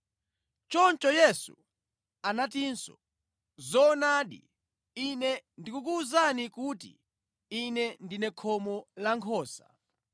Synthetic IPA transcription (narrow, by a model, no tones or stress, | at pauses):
t͡ʃɔnt͡ʃɔjɛsṵ | anatinsɔ̰ | zɔnaːɗḭ | inɛndikukuːzanikutḭ | inɛndinɛkʰɔmɔlaŋkʰɔːsa